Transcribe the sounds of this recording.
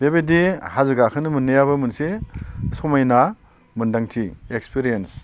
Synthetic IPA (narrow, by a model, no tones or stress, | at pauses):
b̥ebedihazɯɡakʰɯnɯmɯnːejaβɐmɯnsesɔmajna | mɯndaŋtiekspiɾijens